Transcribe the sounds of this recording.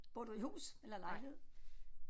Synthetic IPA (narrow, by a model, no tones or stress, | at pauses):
b̥o̰ɐd̥uihṵːselɐlɑ̈ɪle̝ð̰ˠ